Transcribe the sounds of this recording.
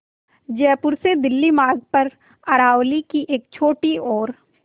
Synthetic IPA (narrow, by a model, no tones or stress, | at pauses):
d͡ʒɛːpʊɾsed̪ɪlːimaːɾɡ̚pɐɾ | ɐɾaːʊlikiʔeːk̚t͡ʃʰoːʈiɔːɾ